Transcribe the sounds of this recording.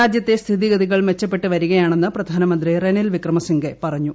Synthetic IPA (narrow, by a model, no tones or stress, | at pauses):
aːd͡ʑjɐt̪ːest̪ʰiðiɡɐd̪iɣɐɭʋet͡ɕːɐpːe̞ʈːɨʋɐɾuɣɐjaːɳe̞nːɨprɐd̪ʱaːnɐmɐnd̪rirenelʋikrɐmɐsiŋɡepɐrɐɲːu